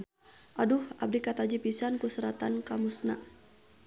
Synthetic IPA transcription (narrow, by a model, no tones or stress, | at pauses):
ʔaduhab̚dikat̪ad͡ʒipisankusəɾat̪ankamusna̰